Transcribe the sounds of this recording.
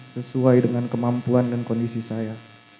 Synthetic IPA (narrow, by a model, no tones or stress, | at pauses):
səsuajdəŋankəmampuandankɔndisisaja